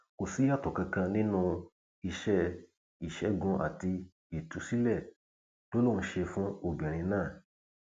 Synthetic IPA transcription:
ko˨si˨˦a˦˨tɔ˨kã˧kã˧nĩ˦nũ˧ | i˧˨ʃɛ˧ | i˨ʃɛ˨˦ɡũ˧ʔa̰˨ti˧ | i˨tu˨˦si˦lɛ˦˨ | to˦lõ˦˨˧ʃe˧fũ˦o˦˨bɛ˨ɾ̃ĩ˧nãː˦˨

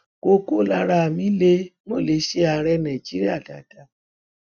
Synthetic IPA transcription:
ko˧ko˦la˧ɾa˧˨mĩ˨˦le˦mo˦˨le˨˦ʃe˦a˧ɾɛ˧nã˨d͡ʒi˦ɾi˦a˦˨da˨d̥a˨˦

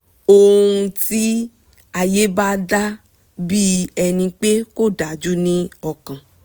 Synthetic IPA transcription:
o˧ɾũ˧ti˦ | a˨je˦ba˦da˦ | bi˦ɛ˧nĩ˧k͡pe˦ko˦˨da˨˦d͡ʒu˦nĩ˦ɔ˦˨kã˨

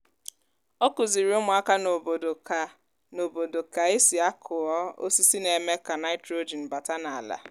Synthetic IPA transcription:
ɔ˦kʊ˨zi˨ɾi˨˦ʊ˦mʊ˨a˦ka˦no˨bo˨do˨ | no˨bo˨do˨ka˨e˦si˨a˦kʰʊ˨ɔ˦o̰˦si˦si˦ne˨me˦ka˨na˦ɪ˦tɾo˦d͡ʒi˨n̩˨ba˨ta˦na˨a˨la̰˨

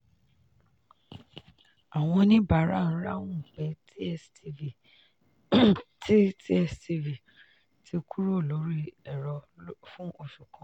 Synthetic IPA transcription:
a˨w̃ɔ̃˧nĩ˦ba˨ɾa˦˨ñ̩˦ɾa˦wũ˦˨k͡pɛ˨˦t | ttʰi˦ɛ˧sti˧vi˨ | tʰi˧kʰu˦ɾo˦˨lo˨˦ɾi˦ɛ˨ɾɔ˧fũ˦o˧˨ʃu˨kʰɔ̃˨˦

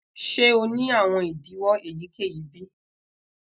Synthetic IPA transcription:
ʃe˦o˧nĩ˦a˦˨w̃ɔ̃˧i˨di˨˦wɔ˦e˦˨ji˨˦ke˦˨ji˨˦bi˦

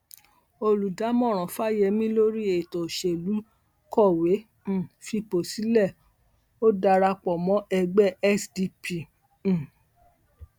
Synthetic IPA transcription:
o˧lu˨da˨˦mɔ̃˦˨ɾ̃ɔ̃˨fa˦˨jɛ˧mĩ˦lo˦ɾi˦e˨tɔ˨ʃe˨lu˨˦ | kɔ˦˨wẽ˨˦˨ | fi˧po˨si˨˦lɛ˦˨ | o˦da˧ɾa˧k͡pɔ˨mɔ̃˨˦ʔɛ˧ɡ͡bɛ˦˨ʔɛ˦sdi˧pĩ˨

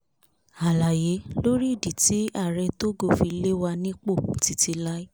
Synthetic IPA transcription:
a˨la˨je˨˦lo˦ɾi˦i˦˨di˨ti˨˦a˦˨ɾɛ˧to˦ɡo˦˨fi˧˦le˦wa˧nĩ˦k͡po˦˨ti˨˦ti˧la˦i˦

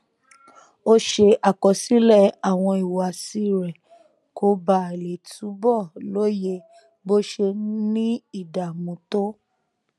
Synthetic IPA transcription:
o˦ʃe˧ʔa˨kɔ˨si˦lɛ˦˨a˨w̃ɔ̃˧i˨wa˨si˧˦ɾɛ˨ | kʰo˧ba˨˦˨le˨tu˨˦bɔ˦˨lo˦je˧ | bo˦ʃe˧nĩ˦i˦˨da˨mũ˨˦to˦

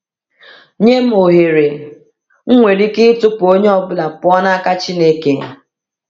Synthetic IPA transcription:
ɲe˦m̩˦o˨ɦe˨ɾe˨ | ŋ̩˦ŋʷe˨ɾi˦kɪ˦tʊ˦po˦ɲe˦ɔ˦bʊ˦la˨pʊ˦ɔ˦na˦a˦ka˦t͡ʃi˦ne˦ke˦

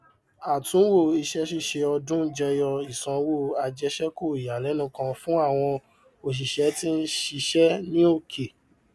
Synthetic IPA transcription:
a˨tũ˨˦wo˦˨i˧ʃɛ˦ʃi˦˨ʃe˧ɔ˧dũ˦d͡ʒɛ˧jɔ˧i˨sã˧˦wo˦˨a˧d͡ʒɛ˧˦ʃɛ˦ko˦˨i˨ja˨lɛ˨˦nũ˦kã˧fũ˦a˦˨w̃ɔ̃˧ | o˨ʃ̬i˨ʃɛ˨˦ti˦n̩˦ʃi˧ʃɛ˦nĩ˦o˦˨kʰe˨

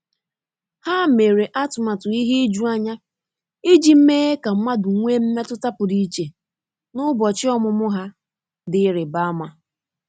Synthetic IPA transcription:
ha˦me˨ɾe˨ʔa˦tʊ˨ma˨tʊ˨i˦ɦe˦d͡ʒu˦a˦ɲa˦ | i˦d͡ʒi˨m̩˦me˦e˦ka˨m̩˦ma˦dʊ˨ŋʷe˦m̩˦me˦tʊ˦ta˦pʊ˨di˦t͡ʃe˨ | nʊ˦bɔ˨t͡ʃɪ˦ɔ˦mʊ˦mʊ˦ɦa˦ | dɪ˦ɾɪ˨ba˦ma˦

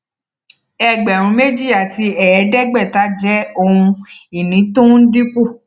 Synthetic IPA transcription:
ɛ˦˨ɡ͡bɛ˨ɾ̃ũ˧˦me˦d͡ʒi˦ja˦˨ti˧ɛ˨ɛ˨˧˦dɛ˦ɡ͡bɛ˦˨ta˦d͡ʒɛ˦o˧ũ˧i˨nĩ˨˦tõ˦n̩˦di˦ku˦˨

